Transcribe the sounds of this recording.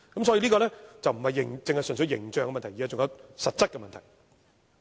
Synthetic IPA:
kɐ˦˥msɔ˨˥ji˧liː˥kɔː˧lɛː˥t͡sɐ˨wm̩˨˩hɐ˨jːɪ˨˩ŋt͡sɪ˨˧ŋhɐ˨jsɵ˨˩nsɵ˨˧jɪ̰˨˩ŋt͡ʃœː˨ŋkɛ˧mɐ˨nt̪ʰji˨aː˨˧t͡sʊ˨ŋjɐ˨˧wsɐ˨t̚t͡sɐ˥t̚kɛ˧mɐ˨nt̪ʰɐ˨˩j

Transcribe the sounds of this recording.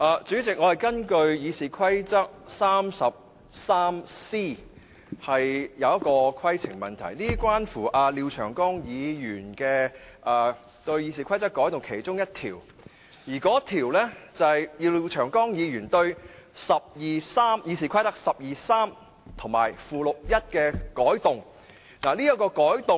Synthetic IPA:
ʔaː˧t͡syː˨˥t͡sɪ˨k̚ŋɔ˨˧hɐ˨jkɐ˥nkɵ˧ɥjiː˨˧siː˨˩kʰwɐ˥jt͡sɐ˥k̚saː˥msɐ˨p̚ | saː˥msiː˥ | hɐ˨jjɐ˨˧wjɐ˥t̚kɔː˧kʰɐ˥jt͡sʰɪ̰˨˩ŋmɐ˨nt̪ʰɐ̰˨˩jliː˥kʷwaː˥nfuː˨˩ʔaː˧liː˧wt͡ʃʰœ̰ː˨˩ŋkɔː˥ŋjiː˨˧jyː˨˩nkɛː˧ʔɐː˨˧ | t̪ɵ˧ɥjiː˧siː˨kʰɐ˥jt̪ɐ˥kːɔː˨˥jt̪ʊ˨ŋkʰe˨˩jt͡sʊ˥ŋjɐ˥t̚t̪ʰḭː˨˩w | jiː˨˩kɔː˨˥t̪ʰiː˨˩wlɛː˥t͡sɐ˨hɐ˨jjiː˨˧wli˧wt͡ʃʰœː˨˩ŋkɔː˥ŋjiː˨˧jyː˨˩nt̪ɵ˧ɥsɐ˨p̚jiː˨˩saː˥mjiː˨˧s̬iː˨kʰɐ˥jt̪ɐ˥k̚sɐ˨p̚jiː˨saː˥m | t̪ʰʊ˨˩ŋma̰ː˨˩jfuː˨˩lʊ˨k̚jɐ˥t̚kɛː˧kɔː˨˥jt̪ʊ˨ŋ | naː˨˩liː˥jɐ˥t̚kɔː˧kɔː˨˥jt̪ʊ˨

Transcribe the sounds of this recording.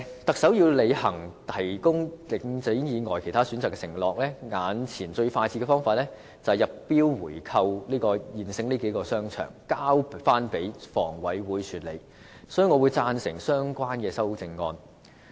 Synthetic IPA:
t̪ɐ˨k̚sɐ˨˥wjiː˧wle˨˧jhɐ˨˩ŋt̪ʰɐ˨˩jkʊ˥ŋlɪ˨˧˥ŋt͡sɪ˨˥ŋjiː˨˧ŋɔː˨˩jkʰe˨˩jt̪ʰaː˥syː˨˥nt͡saː˨˩kːɛ˧sɪ˨˩ŋlɔː˨k̚lɛː˥ŋaː˨˧nt͡sʰiː˨˩nt͡ʃɵ˧ɥfaː˧jt͡sʰiː˧˥kɛ˧fɔː˥ŋfaː˨˧t̚lɛː˥ | t͡sɐ˨jɐ˨p̚pːiː˥wːuː˨˩jkʰɐ˧wliː˥kɔː˧jiː˨nsɪ˧ŋniː˥ke˨˥jkɔː˧sœː˥ŋt͡ʃʰœ̰ː˨˩ŋkaː˥wfaː˥npe˨˥jfɔː˨˩ŋwɐ˨˥jwuː˨˧jt͡ʃʰyː˨t̚lḛ˨˧j | sɔː˨˥y˨˧ŋɔː˨˧wu˨˧jt͡saː˧nsɪ̰˨˩ŋsœː˥ŋkʷaː˥nkɛː˧sɐ˥wt͡sɪ˧ŋːɔː˧n

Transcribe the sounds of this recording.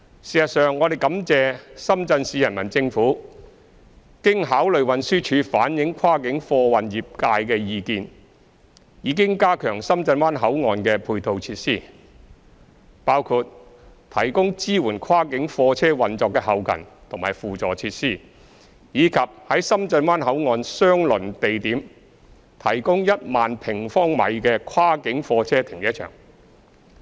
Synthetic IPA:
siː˨sɐ˨t̚sœː˨ŋːɔː˨˧d̪e˨jkɐ˨˥mt͡sɛː˨˧sɐ˥mt͡sɐ˧nsiː˨˧jɐ˨˩nmɐ˨˩nt͡sɪ˧ŋfuː˨˥ | kɪ˥ŋɦaː˨˥wlɵ˨ɥwɐ˨nsyː˥t͡ʃʰyː˨˧faː˨˥njɪ˨˥ŋkʰwaː˥kɪ˨˥ŋfɔː˧wɐ˨njiː˨p̚kaː˧jkɛː˧jiː˨˧kiː˨˧n | jiː˨˧˥k̬ɪ˥ŋkaː˥kʰœː˨˩ŋsɐ˥mt͡sɐ˧nwaː˥nɦɐ˨˥wŋɔː˨˧nkɛː˧pʰuː˧jt̪o˨˧wt͡sʰiː˧t̚siː˥˩ | paː˥wkʰu˧t̚ | t̪ʰɐ˨˩jkʊ˥ŋt͡siː˥wuː˨˩nkʰaː˥kɪ˨˥ŋfɔː˧t͡sʰɛː˥wɐ˨nt͡sɔː˨˧kːɛː˧hɐ˨wkʰɐ̰˨˩nt̪ʰʊ˨˩maː˨˩jfuː˨t͡sɔː˨˩t͡sʰiː˧t̚siː˥ | jiː˨˧kʰɐ˨p̚hɐ˨˥jsɐ˥mt͡sɐ˧nwaː˥nɦɐ˨˥wŋɔː˧nsœː˥ŋlɵ˨˩nt̪e˨jt̪iː˨˥m | t̪ʰɐ˨˩jkʊ˥ŋjɐ˥t̚maː˨npʰɪ˨˩ŋfɔː˥ŋmɐ̰˨jkɛː˧kʰwaː˥kɪ˨˥ŋfɔː˧t͡sʰɛː˥t̪ʰɪ˨˩ŋjɛː˥t͡ʃʰœ̰ː˨˩ŋ

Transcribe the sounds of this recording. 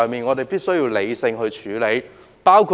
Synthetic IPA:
ŋmiː˨˩nŋɔː˨˧t̪e˨jpiː˥t̚sɵ˥ɥjiː˧wle˨˧jsɪ˧ŋɦɵ˧ɥt͡ʃʰyː˨˥le˨˥j | paː˥wkʰu˨

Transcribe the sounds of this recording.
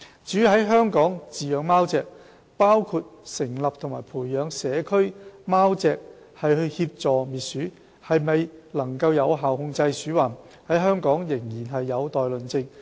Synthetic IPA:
t͡ʃyː˨˥hɐ˨˥jɦœː˥ŋkɔː˨˥ŋt͡siː˨jœː˨˧ŋmaː˥wt͡sɛː˧k̚ | paː˥wkʰuː˧t̚sɪ˨˩ŋlɐ˨p̚t̪ʰʊ˨˩ŋmaː˨˩jpʰuː˨˩jːœː˨˧ŋsɛː˨˥kʰɵ˥ɥmaː˥wt͡sɛː˧k̚ | hɐ˨jhɵ˧ɥhiː˧p̚t͡sɔː˨miː˨˩t̚syː˨˥ | hɐ˨jmɐ˨jlɐ˨˩ŋkɐ˧wjɐ˨˧wɦaː˨whʊ˧ŋt͡sɐ˧jsyː˨˥waː˨˩n | hɐ˨˥jɦœː˥ŋkɔː˨˥ŋjɪ˨˩ŋjiː˨˩nɦɐ˨jːɐ˨˧wt̪ɔː˨jlɵ˨nt͡sɪ˧ŋ

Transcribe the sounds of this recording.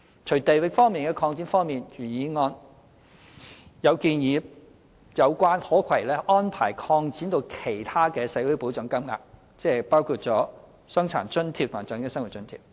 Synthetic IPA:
t͡ʃʰɵ˨˩jt̪e˨jwɪ˨k̚fɔː˥ŋmiː˨nkɛː˧kʰɔː˧ŋt͡siː˨˥nfɔː˥ŋmiː˨˩njyː˨˩jiː˨˧ŋɔː˧n | jɐ˨˧wkiː˧njiː˨˧˥ | jɐ˨˧wkʷaː˥nhɔː˨˥kʰɐ˨˩jlɛː˥ʔɔː˥npʰaː˨˩jkʰɔː˧ŋt͡siː˨˥nt̪o˧wkʰe˨˩jt̪ʰaː˥kɛː˧sɐ˨˥jwu˨˥jpo˨˥wt͡sœː˨˥ŋkɐ˥mŋa̰ː˧k̚ | t͡sɛː˧paː˥wkʰuː˧t̚t͡sɔː˨˥ | sœ˥ŋt͡sʰa̰ː˨˩nt͡sɵ˥nt̪ʰi˧p̚t̪ʰt͡sœː˨˥ŋkɛː˧sɐ˥ŋwu˨˩t̚t͡sɵ˥nt̪ʰiː˧˩p̚

